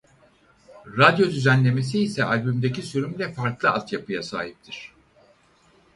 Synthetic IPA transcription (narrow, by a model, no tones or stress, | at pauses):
ɾad̪jo̞d̪yzænlʲe̞me̞s̬iːsɛʔalʲbymd̪ecisyɾymlʲɛfaɾklˠɯat̪japɯjasa̰ːɦip̚t̪ʰiɾ̝̥